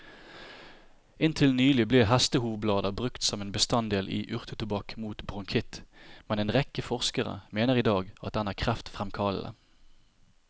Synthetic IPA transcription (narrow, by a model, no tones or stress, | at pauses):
ɪnt̪ʰɪlnyːlɪbleːɦæst̪əhuːʋəblɑːd̪ɑbʁʉkt̪sɔmeːnbəst̪ɑnd̪eːlʔḭːʔʉʁt̪ʰət̪ʉbɑkmuːt̪bʁʊŋkʰɪt̪mɛneːnʁɛkəfɔʁskəʁə̰meːnəʁiːd̪ɑːɡɑ̰t̪̚d̪ɛnæːʁkʰʁæft̪fʁɛmkʰɑːl̩ə̰